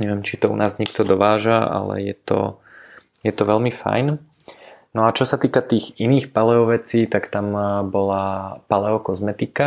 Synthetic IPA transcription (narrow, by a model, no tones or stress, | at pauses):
ɲɛʋɪɛmt͡ʃit̪ɔṵnaːzɲɛkt̪ɔd̪ɔʋaːʒaa̰lɛ̰jɛ̰t̪ɔ̰ | jɛt̪ɔʋɛlmifa̰jn | nɔat͡ʃɔsat̪iːkat̪iːɣiniːxpalɛɔʋɛt͡siːt̪akt̪ambɔlapalɛɔkɔzmɛt̪ika